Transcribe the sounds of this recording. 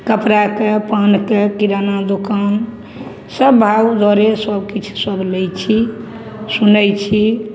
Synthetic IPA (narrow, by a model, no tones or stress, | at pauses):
kəpɾakepankekiɾanad̪okan | səbːʱawd̪ɔɾesəbkit͡ʃʰu̥səblɛjt͡ʃʰi | sunəjt͡ʃʰi